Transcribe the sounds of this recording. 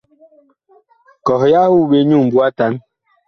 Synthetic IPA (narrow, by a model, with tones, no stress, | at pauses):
kɔ˨hja˦hu˦˨be˦ɲu˦˨m˨bu˦a˦ta˦n